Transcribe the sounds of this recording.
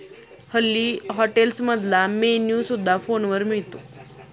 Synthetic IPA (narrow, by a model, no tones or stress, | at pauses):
həlːiɦɔʈelsməd̪lamenjusud̪ʱːafonʋəɾmiɭt̪o